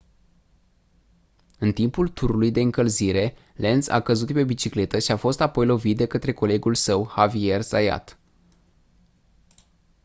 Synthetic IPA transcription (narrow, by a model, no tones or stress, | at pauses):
ɨnt̪impult̪uɾulujd̪e̞ɨŋkəlziɾe̞ | le̞nsa̰kəzut̪pe̞bit͡ʃikle̞t̪əʃiafo̞st̪apo̞jlo̞vit̪̚d̪e̞kət̪ɾe̞ko̞le̞ɡulsəwhavie̞rsaja̰t̪